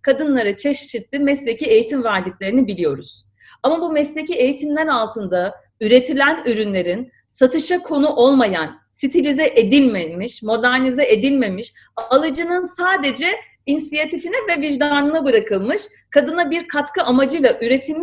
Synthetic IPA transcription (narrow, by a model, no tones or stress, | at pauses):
kʰad̪ɯnlˠaɾɯt͡ʃʰɛʃt͡ʃit̪lʲimɛslʲeciejit̪ʰimvæɾd̪iclʲe̞ɾinibilʲijo̞ɾuz̥ | amabumɛslʲecie̞jit̪ʰimlʲæɾalˠt̪ʰɯnd̪a | yɾe̞t̪ʰilʲænyɾynlʲe̞ɾin | sat̪ʰɯʃakʰo̞nuʔo̞lˠmajan | sit̪ʰilʲizɛʔed̪ilʲmemiʃmo̞d̪æɾnizɛʔed̪ilʲme̞miʃ | alˠɯd͡ʒɯnɯnsaːd̪e̞d͡ʒɛ | insijat̪ifinɛvɛviʒd̪anɯnabɯɾakɯlˠmɯʃ | kʰad̪ɯnabiɾkʰat̪kɯʔamad͡ʒɯjlˠaʔyɾe̞t̪ʰilʲmʃ